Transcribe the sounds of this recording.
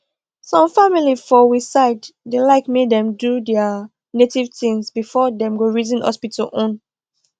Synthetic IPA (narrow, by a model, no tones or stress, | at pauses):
sɔ̃mfamilifɔwisaɪddelaɪkmedɛ̃mdudɛa | netivtĩŋsbifɔdɛ̃mɡoɹizĩnhɔ̰spitʰɔʔõn